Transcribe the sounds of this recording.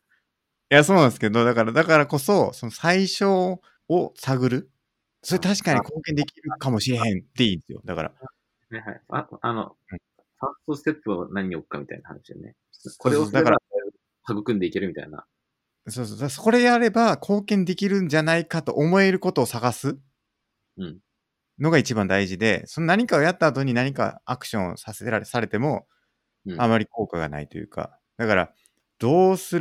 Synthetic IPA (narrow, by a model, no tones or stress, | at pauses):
jaso̞ːnãnsɨ̥ked̪o̞d̪akaɾad̪akaɾako̞so̞so̞no̞saiɕo̞ː | saɡɯ̟ɾɯ̟ | so̞ɾet̪aɕi̥kaɲ̟iko̞ːkẽ̞nd̪e̞kʲiɾɯ̟kamo̞ɕiɾe̞ɦẽ̞nt̪e̞ĩːnd̪esɨjo̞̰d̪aka̰ɾa̰ | haiɦa̰ḭano̰ | ɯ̟̃ | sãsost̪et͡sɨanaɲ̟iiokɯ̥kːamʲit̪a̰inaha̰na̰ɕid̪ḛnḛ | oeood̪akaɾaa | haɡɯ̟kɯ̟̃nd̪eike̞ɾɯ̟mʲit̪a̰ina̰ | soːsoːd̪asko̞ɾe̞eaɾe̞bakʰo̞ːkẽ̞nd̪e̞kʲiɾɯ̟̃n̟d͡ʑanaikat̪o̞̰ʔomo̞e̞ɾɯ̟ko̞t̪o̞ːsaɡasɨ | ɯ̃ɴ | no̞ɡait͡ɕibãnd̪aiʑid̪e̞̰so̞no̞naɲ̟ikao̞jat̪ːaːt̪o̞ɲ̟inaɲ̟ika̰akɯ̟̥ɕõɰ̃o̰saseɾasaɾe̞t̪e̞mo̞ | amaɾʲiko̞ːkaɡa̰na̰it̪o̞̰jɯ̟̰ːka̰ | d̪̥akaɾa̰ | d̪̥o̞ːsɨ